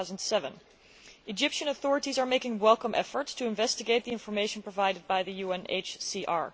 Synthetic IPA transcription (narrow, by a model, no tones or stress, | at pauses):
ʊzə̃n̩dsɛvə̃n | ɨd͡ʒɪpʃɨ̃nəθɔɹɨɾizə˞meɪkɪ̃ŋwɛlˠkə̃mʔɛfə˞tstʰɨɪ̃ɱvɛstɨɡeɪt̪̚ðiɪ̃nfə˞meɪʃə̃n̩pʰɹ̥ɔvaɪɾɨd̚baɪðɨjuɛ̃nḛɪt͡ʃsiʔɑ̰ɹ